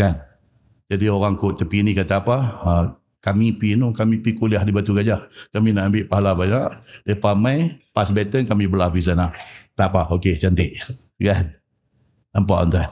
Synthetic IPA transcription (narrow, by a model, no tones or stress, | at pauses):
kan | d͡ʒadioɣaŋkoʔt̪əpinikat̪aːpa | kamipinukamipikuliahdibat̪uɡad͡ʒahkaminaʔambɪʔpaɦalabaɲaʔdəhpamajpasbɛt̪ənkamibəlafis̬anaʔt̪apaoket͡ʃant̪ɪʔ | ɡan | nampa̰ʔa̰nt̪an